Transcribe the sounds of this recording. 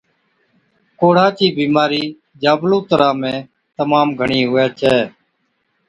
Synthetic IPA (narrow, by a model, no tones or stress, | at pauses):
koːɽ̤ãːt͡ʃiːbiːmaːɾiː | d͡ʒaːblũːt̪əɾãːmẽː | t̪əmaːmɡʱəɳiːɦʊːjaːt͡ʃʰɛː